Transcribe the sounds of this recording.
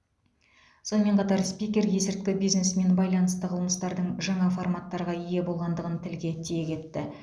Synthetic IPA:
so̞nəmːe̞ɴqʰɑt̪ɑɾspikʲe̞ɾje̞sɪɾk̚t̪ʲɪbijzne̞sme̞nbɑjlˠɑnəst̪əqʰəlˠəməst̪ɑɾd̪əɴʒɑɴɑformat̪ːɑɾʁɑije̞bo̞lˠʁɑnd̪əʁənt̪ʰɪlɡʲe̞t̪ʰije̞kʲʰe̞t̪ːɪ

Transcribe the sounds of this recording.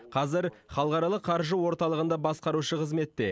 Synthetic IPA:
qʰɑzɪɾ | χɑlˠəʁɑɾɑlˠəqʰːɑɾʒəwo̞ɾt̪ɑlˠəʁənd̪ɑbɑsqɑɾuʃəqʰəzme̞t̪ːe̞

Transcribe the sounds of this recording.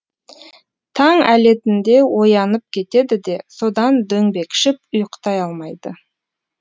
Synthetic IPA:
t̪ʰɑŋæle̞t̪ɪnd̪e̞wo̞jɑnəp̚kʲʰe̞t̪e̞d̪ɪd̪e̞so̞d̪ɑnd̪ɵŋbe̞kʃɪp̚ʊjqt̪ɑjɑlˠmɑjd̪ə

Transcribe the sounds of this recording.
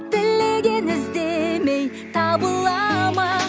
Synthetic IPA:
b̪ɪlːeɡʲe̞nɪzd̪e̞me̞j | t̪ʰɑbəlˠːɑmɑ

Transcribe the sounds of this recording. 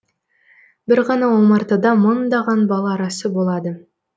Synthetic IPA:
bɪɾʁɑnɑwomɑɾt̪ɑd̪ɑmənd̪ɑʁɑnbɑlˠɑːɾɑsəbo̞lˠɑd̪ə

